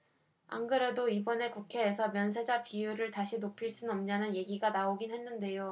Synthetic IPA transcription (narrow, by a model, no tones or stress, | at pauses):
a̰ŋɡɯɾedoibʌne̞kukʰe̞ːsʰʌmjʌns̬ʰe̞d͡ʑapijuɾɯɭtaɕʰinopʰiɭs͈unʌmɲanɯnje̞ɡiɡanaoɡinɦe̞nːɯnde̞jo